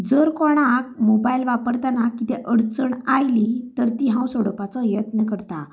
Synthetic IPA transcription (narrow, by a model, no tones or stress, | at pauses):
d͡zəɾkɔɽ̃ak̚mobailʋapəɾt̪anakːit̪ɛʔəɽt͡səɳajlit̪əɾt̪iɦãwsoɽəpat͡sɔjət̪nəkəɾt̪a